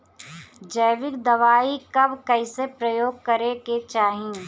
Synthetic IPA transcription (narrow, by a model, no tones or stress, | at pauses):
d͡ʒɐjʋɪkd̪ɐʋaːikɐbkɛɪsepɾɐjoːɡ̚kɐɾeket͡ʃaːɦĩː